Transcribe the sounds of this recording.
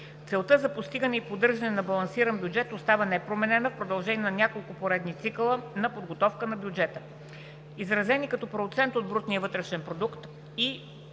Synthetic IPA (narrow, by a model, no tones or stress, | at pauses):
t̪sɛlˠt̪ɤzɐpost̪iɡənɛipod̪ɤɾʒɐnɛnɐbɐlˠɐnsiɾənbʲjud͡ʒɛt̪ost̪avənɛpɾomɛnɛnəfpɾod̪ɐlˠʒɛniɛnɐnʲakolˠkʊpoɾɛd̪nit̪siklˠənɐpod̪ɡot̪ɔfkənɐbjud͡ʒɛt̪ə | izɾɐzɛnikɐt̪ɔpɾot̪sɛnt̪od̪̚bɾut̪niəvɤt̪ɾɛʃɛnpɾod̪ukt̪ | i